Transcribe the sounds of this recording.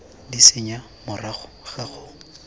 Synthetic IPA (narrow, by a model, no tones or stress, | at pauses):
disɪɲa | mʊraχʊ | χaχʊ